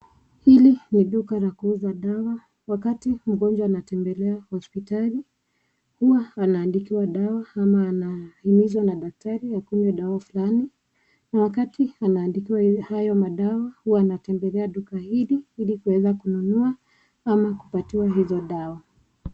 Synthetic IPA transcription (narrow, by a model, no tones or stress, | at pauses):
hiliniɗukalakuːzaɗawa | wakatim̩ɠɔnd͡ʒwaːnatɛmbɛlɛahɔspitali | huwaːnaːndikiwaɗawaamaːnahimizwanaɗak̚taɾiakuɲɛɗawafulani | nawakatianaːndikiwahajɔmaɗawahuwaːnatɛmbɛlɛaɗukahiliilikuwɛzakununua | amaku̥patiwaɦizɔɗawa